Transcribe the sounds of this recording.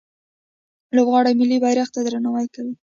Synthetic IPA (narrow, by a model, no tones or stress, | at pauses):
lobɣɑɽamɪlːibɑjɾaxt̪ad̪ɾanawajkawi